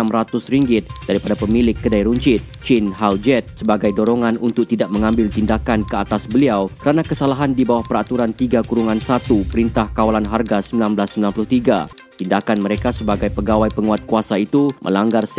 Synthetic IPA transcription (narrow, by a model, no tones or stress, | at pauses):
amrat̪ʊsriŋɡɪt̪̚daɾipadapəmilɪkːədaiɾuɲt͡ʃɪt̪̚t͡ʃɪnɦald͡ʒɛt̪̚səbaɡajdoɾɔŋanunt̪ʊk̚t̪idaʔ̚məŋambɪlt̪indakankəat̪asbəliawkəɾanakəsalaɦandibawahpəɾat̪uɾant̪iɡakuɾuŋansat̪upəɾint̪ahkawalanɦarɡasəmbilanblasːəmbilanpulʊht̪iɡa̰t̪indakanməɾekasəbaɡajpəɡawajpəŋuat̪̚kuasait̪umʔə̰laŋɡars